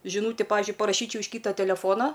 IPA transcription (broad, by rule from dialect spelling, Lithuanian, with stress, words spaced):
ʒʲɪˈnuːtʲɪ ˈpɑːʋʲɪzʲd͡ʒʲʊɪ pɐrɐˈʃʲiːt͡ʃʲɛʊ ɪʃ ˈkʲiːtɐ tʲɛlʲɛˈfoːnɐ